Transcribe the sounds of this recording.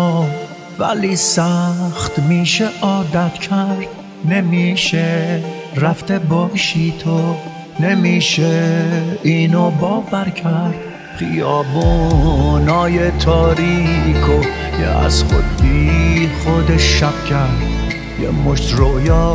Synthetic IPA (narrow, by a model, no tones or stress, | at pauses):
væ̰lisæxt̪miːʃeʔɒːd̪æt̪cʰæɾd̪̥ | ne̞miːʃe | ɾæft̪ebɒːʃiːt̪ʰo | nemiːʃe | iːnobɒːvæɾkʰæɾd̪̥ | χijɒːbu | nɒːjet̪ʰɒːɾiːkʰojḛæ̰z̥χo̰d̪̚biːχod̪eʃæb̚kʰæɾd̪ | jḛmoʃt̪ɾoʔjɑː